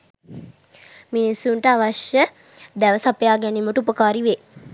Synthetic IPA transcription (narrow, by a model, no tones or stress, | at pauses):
minisuɳʈəaʋaʃjə | d̪æʋəsapəjaːɡɛniməʈəupəkaːɾiʋe